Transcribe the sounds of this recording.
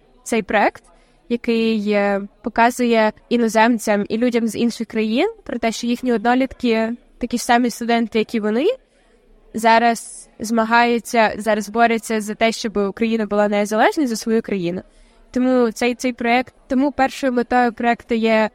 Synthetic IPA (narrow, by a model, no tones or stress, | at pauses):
t̪sɛjpɾɔɛkt̪ | jɐkɪj | pɔkɑzʊjɛinɔzɛmt͡sʲɐmḭlʲudʲɐmzinʃɪxkɾɐjinpɾɔt̪ɛʃt͡ʃɔjixnʲiɔd̪nɔlʲit̪kɪ | t̪ɐkʲisɑmist̪ʊd̪ɛnt̪ɪjɐkʲiʋɔnɪ | zɑɾɐz | zmɐɦɑjet͡sʲːɐzɑɾɐzbɔɾʲɪt͡sʲːɐzɐt̪ɛʃt͡ʃɔbɪʊkɾɐjinɐbʊlˠɑnɛzɐlˠɛʒnɐjzɐsʋɔjukɾɐjinʊ | t̪ɔmut̪sɛjt̪sɛjpɾɔɛkt̪ːɔmupɛrʃɔjʊlˠɪt̪ɔjɔpɾɔɛkt̪ʊjɛ